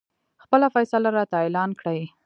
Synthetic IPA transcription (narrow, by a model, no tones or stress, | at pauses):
xpəlafajsalaɾɑt̪aelɑnkɽaj